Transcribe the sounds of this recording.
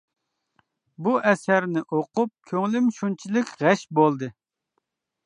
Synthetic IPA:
buʔɛsæɾnɪʔoqʊp̚kʲʰøŋlɪmʃunt͡ʃʰilɪkʲʁɛʃbolˠd̪ɨ

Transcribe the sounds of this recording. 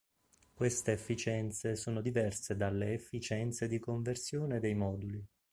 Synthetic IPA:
kwest̪eːfːit͡ʃɛnt̪sesoːnod̪ivɛrsed̪alːeːfːit͡ʃɛnt̪sed̪ikoɱversjoːned̪ɛjmɔːd̪uli

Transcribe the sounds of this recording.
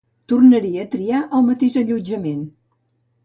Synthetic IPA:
t̪urnəɾiəːt̪ɾiaʔəlˠmət̪eʒəʎud͡ʒəmen

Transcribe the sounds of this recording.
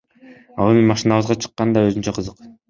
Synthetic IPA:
ɑlˠemimɑʃɨnɑβɯzʁɑt͡ʃʰɯ̥qːɑnd̪ɑøzynt͡ʃæqʰɯzɯq

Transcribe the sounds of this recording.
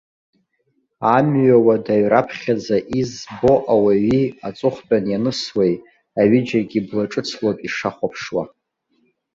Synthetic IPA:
amɥawadaɥrapʰχʲad͡zaʔizbo̞ʔawaɥiat͡sʼʊχʷt͡pʼanjanɨswej | aɥɪd͡ʒaɡʲiblaʈ͡ʂʼɨt͡sʰlapʼiʂaχʷapʰʂwa̰

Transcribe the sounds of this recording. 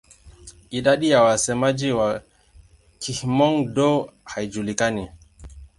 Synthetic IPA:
ʔiɗaɗijawasɛmad͡ʒiwa | kihmɔŋdɔhajd͡ʒulikani

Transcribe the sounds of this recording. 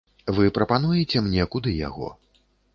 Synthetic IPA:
vɨpɾɐpanujɛt͡sʲɛmnʲɛkud̪ɨja̰ɣɔ̰

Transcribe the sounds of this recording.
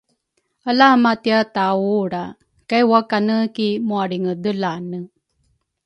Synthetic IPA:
alaamat̪iatauɽa | kajwakanəkimuaɽiŋəd̪əlanə

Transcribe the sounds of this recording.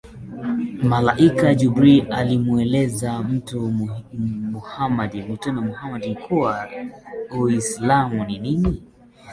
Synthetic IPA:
malaʔikad͡ʒubɾialimuɛlɛzam̩tu | muhamadimutɔnamuhamadikʰuwa | uislamuninini

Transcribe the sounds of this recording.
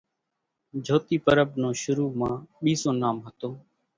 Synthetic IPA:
d͡ʒʱoːt̪iːpəɾəbnõːʃʊɾuːmãːɓiːsõːnaːmɦət̪oː

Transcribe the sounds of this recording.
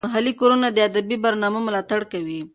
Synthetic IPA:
aɦalikoɾunad̪əad̪abibaɾnɑməmʊlɑt̪aɽkawi

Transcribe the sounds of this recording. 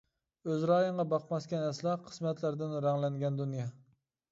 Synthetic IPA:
øzɾɑjəɴʁɑbɑqmɑskʲɛnɛslˠɑqʰə̥smɛt̪læɾd̪ɪnɾɛŋlɛnɡʲɛnd̪unjɑ

